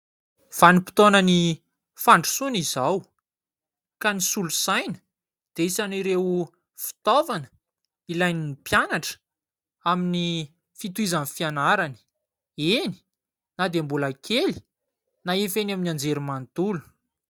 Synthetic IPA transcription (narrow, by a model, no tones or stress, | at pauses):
v̥anipi̥t̪onəni | faɳɖ͡ʐu̥sunizaw | kanisulusajnə̥ | d̪̥eisaniɾewu | fi̥t̪ovanə̥ | ilajninipjanaʈ͡ʂə̥ | amini | fit̪uizanfianaɾani̥ | eni̥ | nad̪embulakʰeli̥ | naefenaminand͡zeɾumant̪ulu̥